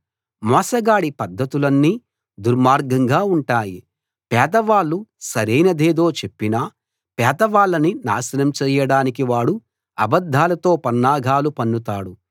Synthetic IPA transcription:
mɔːsɐɡaːɽipɐd̪ʱːɐt̪ulɐnːiː | d̪uɾmaːɾɡɐŋɡaːuɳʈaːji | pɛːd̪ɐʋaːlːusɐɾejnɐd̪eːd̪o̞ːt͡ʃe̞pːinɐː | pɛːd̪ɐʋaːlːɐnina̰ːsɐnɐmt͡ʃɛːjɐɽaːnik̬iʋaːɽu | ɐbɐd̪ʱːaːlɐt̪o̞ːpɐnːaːɡʱaːlupɐnːut̪aːɽu

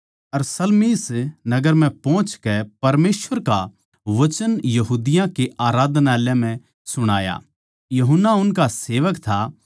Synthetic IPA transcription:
ɐɾsɐlmiːsnɐɡəɾmɛ̃pɔ̃ːt͡ʃkɛpɐɾmeːsʋəɾka | ʋɐt͡ʃənjɐɦuːd̪ɪjãkeaːɾaːd̪naːlẽm̤ɛ̃ | sʊɽ̃aːja̰ | jɐɦənːaʊnkaseːʋəkt̪ʰa

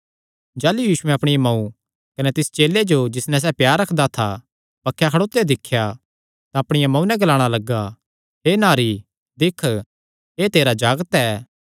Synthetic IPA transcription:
d͡ʒaːlujiːʃʊɛ̃ɐpɽ̃ijamɐ̃ũ | kɐnɛt̪ɪst͡ʃeːled͡ʒod͡ʒɪsnɛs̬ɛːpjaːɾɾɐkʰd̪at̪ʰa | pɐkʰːjakʰɐɽoːt̪ːed̪ɪkʰːja | t̪ãɐpɽ̃ɪjamɐ̃ũnɛ̃ɡɐlaːɽ̃alɐɡːa | ɦeːnaːɾi | d̪ɪkʰ | ɦeːt̪eːɾad͡ʒaːɡət̪ɛː

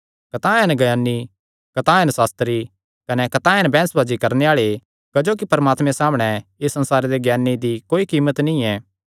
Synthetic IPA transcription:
kɐt̪aːɛnɡɐjaːnːi | kɐt̪aːɛnsaːst̪ɾi | kɐnɛkɐt̪ãːɛnbɛ̃ːsbaːd͡ʒikɐɾneaːɭe | kɐd͡ʒoːk̬ipɐɾmaːt̪mẽsaːmɽ̃ɛɪsːɐ̃nsaːɾed̪eɡjaːnːid̪ikoːikiːmət̪nĩɛː

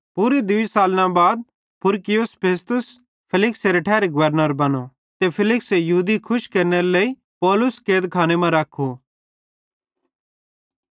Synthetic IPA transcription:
puɾid̪ʊisaːlnãbaːd̪̚ | pʰʊɾkɪjʊspʰeːst̪ʊs | pʰɪlɪkseɾeʈʰɛːɾeɡʊʋəɾnəɾbɐno | t̪epʰɪlɪksejɐɦuːd̪ikʰʊʃkɐɾneɾlei | pɔːlʊskeːd̪kʰaːnemãɾɐkʰu

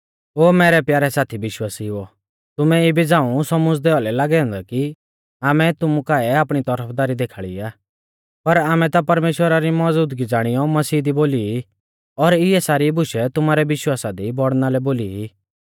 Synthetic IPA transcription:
oːmɛːɾɛpjaːɾɛsaːt̪ʰiʋɪʃwaːsiɔ | t̪ʊmɛibid͡zãːũsɔmʊd͡zd̪eːʋalɛlaːɡɛɦɔ̃nd̪aki | aːmɛt̪ʊmũkaːɛaːpɽ̃it̪ɔɾəpʰd̪aːɾid̪eːkʰaːɭḭaː | pɐɾaːmɛ̃t̪apɐɾmeːʃwəɾaɾimɔd͡zuːd̪ɡid͡zaːɽ̃ɪjɔmɐsiːd̪iboːli | ɔɾɪɛsaːɾibʊʃɛt̪ʊmaːɾɛʋɪʃwaːsad̪ibɔɽnalɛboːliɦi

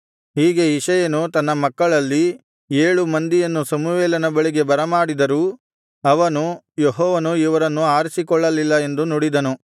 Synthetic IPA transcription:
ɦiːɡe̞iʂɐjɐnut̪ɐnːɐmɐkːɐɭɐlːi | eːɭumɐnd̪ijɐnːusɐmuʋɛːlɐnɐbɐɭiɡe̞bɐɾɐmaːɽid̪ɐɾuː | ɐʋɐnu | jeɦɔːʋɐnuiʋɐɾɐnːuaːɾisikɔɭːɐlilːɐe̞nd̪unoɽid̪ɐnu

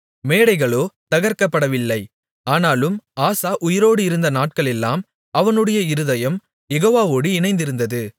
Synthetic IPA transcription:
meːɽɐɪɣɐɭoːt̪ɐɣɐɾkɐpːɐɽɐʋɪlːɐɪ | aːnaːlɯmaːsaːʔʊjɪɾoːɽɯɪɾɯnd̪ɐnaːʈ̚kɐɭɛlːaːm | ɐʋɐnɯɽɐjɐɪɾɯðɐjɐm | jɛɣoːʋaːoːɽiɪnɐɪnd̪ɪɾɯnd̪ɐðɯ

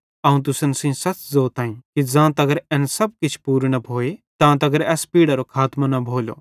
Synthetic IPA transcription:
ɐũt̪̬ʊsənsĩsɐt͡ʃzoːt̪ãːĩkid͡zãːt̪ɐɡəɾɛ̃nsɐb̚kɪt͡ʃʰpuːɾñɐbʱoːet̪ãːt̪ɐɡəɾɛːspiːɽaɾokʰaːt̪manɐbʱoːlo̰ː

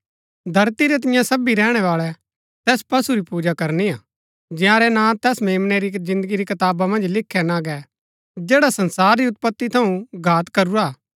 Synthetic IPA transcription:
d̪ʱɐɾt̪iɾɛt̪̬ɪjãsɐbiɾɛːɽ̃ɛʋaːɭɛ | t̪ɛːspɐsuɾipuːd͡ʒakɐɾniaː | d͡ʒɪjãːɾɛnãt̪ɛːsmeːmnɛɾizɪ̃nd̪əɡiɾikɐt̪aːbamɐ̃nd͡ʒlɪkʰːɛnaːɡɛ | d͡ʒɛːɽasɐ̃nsaːɾːiʊt̪̚pət̪ːit̪ʰɐũɡʱaːt̪kɐɾuɾaː

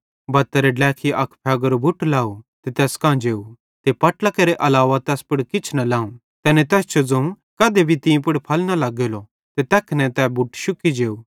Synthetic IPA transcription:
bɐt̪ːəɾeɖɛːkʰiʔɐkʰpʰɛːɡəɾobʱʊʈlaːut̪et̪ɛːskãːd͡ʒeːu | t̪epɐʈlakeɾeʔɐlaːʋat̪ɛːspʊɽkɪt͡ʃʰnɐlaːũ | t̪ɛːnẽt̪ɛːst͡ʃʰod͡zɐ̃ũ | kɐd̪ebʱit̪ĩpʊɽpʰɐlnalɐɡeːlo | t̪et̪ɛːkʰnɛ̃t̪ɛbʱʊʈʃʊkid͡ʒeːuː

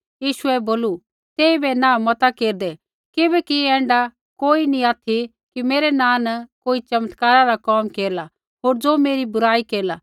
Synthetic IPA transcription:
jiːʃuɛboːlu | t̪eːibɛnãːmɐt̪akeːɾd̪ɛ | kɪbɛkiɛ̃ːɳɖa | koːinĩaːt̪ʰi | kimeːɾɛnãːnɐkoːit͡ʃɐmət̪kaːɾaɾakɔːmkeːɾla | ɦoːɾd͡zoːmeːɾibʊɾaːikeːɾla

